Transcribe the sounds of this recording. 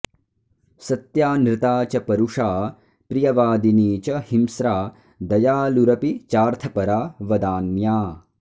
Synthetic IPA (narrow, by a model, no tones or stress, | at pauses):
sɐt̪jaːnɾɪt̪aːt͡ʃɐpɐɾuʂaː | pɾijɐʋaːd̪iniːt͡ʃɐhimsɾaː | d̪ɐjaːluɾɐpit͡ʃaːɾt̪ʰɐpɐɾaːʋɐd̪aːnːjaː